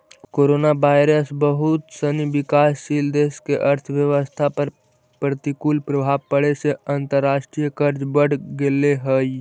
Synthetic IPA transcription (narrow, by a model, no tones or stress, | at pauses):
koːɾoːnaʋaːɪɾəsbəɦʊt̪səniʋɪkaːsːiːld̪eːskeʔɐɾt̪ʰʋjəʋəst̪ʰapɐɾ | pɾət̪ikuːlpɾəbʱaːbpəɽeseãnt̪əɾːaːʃʈɾijəkəɾd͡ʒbəɽ̤ɡeleɦəi